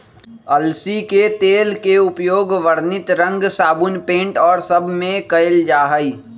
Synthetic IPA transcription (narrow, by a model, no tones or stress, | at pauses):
ɐlsiket̪eːlkeʊpjoːɡʋəɾnɪt̪ɾə̃ŋɡsaːbʊnpẽːɳʈɔːɾsɐbʱmẽkɐeld͡ʒaːɦəiː